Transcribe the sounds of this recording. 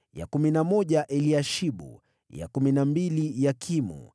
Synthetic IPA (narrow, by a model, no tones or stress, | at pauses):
ja̰kuminamɔʄaʔɛliaʃiɓṵ | ja̰kuminambilijakʰimṵ